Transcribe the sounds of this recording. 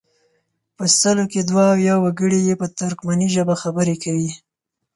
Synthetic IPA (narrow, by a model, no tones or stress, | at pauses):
pəsəloked̪waːwjawaɡəɽijepət̪ʊɾkmaniʒəbaxabəɾekawi